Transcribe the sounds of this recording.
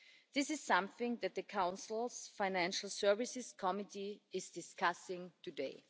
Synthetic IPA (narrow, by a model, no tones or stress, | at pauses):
ðɪsɨz̥sʌ̃mθɪ̃ŋðɨt̪̚ðɨkʰãʊ̃nsl̩ˠsfaɪnæ̃nʃl̩ˠsɜ˞vɪsɪskʰɔmɪtiɪzdɪskʰasɪ̃ŋtʰudeɪ